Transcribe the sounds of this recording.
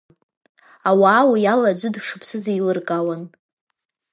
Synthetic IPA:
awaːwajalad͡ʒʷɨdʂɨpʰsɨzejlɨrkʼawan

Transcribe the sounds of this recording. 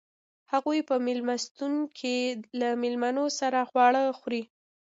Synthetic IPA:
haɣujpəmɪlmast̪unkʰelamɪlmanosaɾaxwɑɽəxɾi

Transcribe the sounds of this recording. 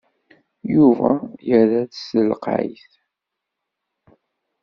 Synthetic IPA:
juvæ̰jəɾæðsəlqʕḭθ

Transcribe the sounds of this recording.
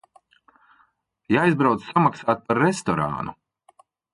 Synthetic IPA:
jaːjzbɾawt̪samaksaːt̪̚paɾːest̪ɔɾa̰ːnu

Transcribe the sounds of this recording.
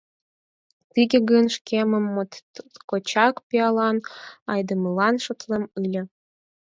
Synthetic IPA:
t̪iɡʲĕɡənʃkʲʰemə̆mːot̪kot͡ɕɑkpʲiɑlɑnɑjd̪ə̆məlɑnʃŏt̪lemɯlʲə̆

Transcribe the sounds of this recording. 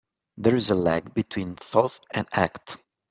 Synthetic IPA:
ðəɹɪzəlæɡbitʰw̥ĩnθɔθɛ̃næ̰kt

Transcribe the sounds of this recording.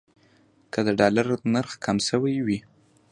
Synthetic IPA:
kʰəd̪əɖɑlaɾnaɾxkʰamsəwajwi

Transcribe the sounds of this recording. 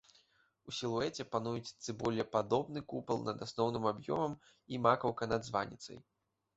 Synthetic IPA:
usʲilˠuɛt͡sʲɛpanujut͡sʲt̪sɨbɔlʲɛpad̪ɔbnɨkupɨlˠnɐd̪asnɔwnɨmabjɔ̰mɐm | imakɐwkɐnad̪zva̰nʲḭt̪sɐ̰j

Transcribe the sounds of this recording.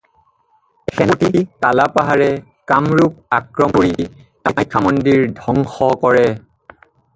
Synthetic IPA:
xɛntikalapaɦaɹɛ | kamɹup̚akɹɔmoɹi | akʰːamɔndiɹdʱɔŋxɔkɔɹɛ

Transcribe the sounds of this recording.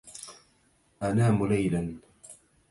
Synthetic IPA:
ʔanaːmʊlajlan

